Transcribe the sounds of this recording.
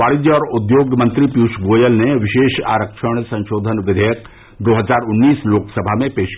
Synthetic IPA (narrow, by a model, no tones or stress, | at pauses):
aːɭɪd̪jəɔːɾʊd̪joːɡmɐ̃nt̪ɾipjuːʃɡoːjəlneʋɪʃeːʃa̰ːɾəkʃəɽ̃sɐ̃nʃoːd̪ʱənʋɪd̪ʱejək | d̪oːɦəzaːɾʊnːiːsloːksəbʱamẽpeːʃk